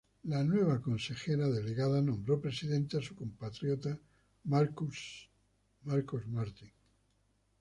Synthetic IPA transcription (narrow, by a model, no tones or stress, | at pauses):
lanwe̞β̞ako̞nse̞xeɾaðeleɣaðanõ̞mbɾo̞pɾe̞siðẽ̞nt̪easukompat̪ɾjot̪a | maɾku | maɾkozmaɾt̪iŋ